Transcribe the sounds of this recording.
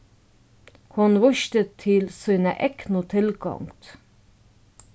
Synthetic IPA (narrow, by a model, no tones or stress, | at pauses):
kʰʊnʋʊʃt̪ət̪ʰːɪlsiːnə̰ʔɛknot̪ʰɪlɡɑ̰ŋt̪